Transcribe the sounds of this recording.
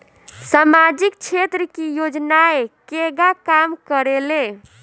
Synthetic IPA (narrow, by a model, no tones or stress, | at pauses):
samad͡ʒikt͡ʃʰet̪ɾəkijod͡ʒnaekeɡakamkəɾele